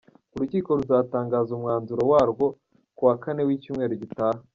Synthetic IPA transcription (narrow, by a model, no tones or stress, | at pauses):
uɾuciːko̞ɾuzaːtaːŋɡaːzumŋaːnzuɾowaːɾɡwo̞ | kuwakane̞wicuːmŋe̞ːɾoɟitaːha